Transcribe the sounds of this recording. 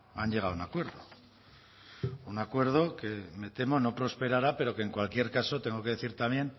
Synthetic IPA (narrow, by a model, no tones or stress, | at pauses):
anʎe̞ɣ̞awunakwe̞ɾðo | unakwe̞ɾð̞o̞ke̞me̞t̪e̞mo̞no̞pɾo̞spe̞ɾaɾape̞ɾo̞keːŋkwalkje̞ɾkaso̞t̪e̞ŋɡo̞ke̞ðe̞θiɾt̪amje̞n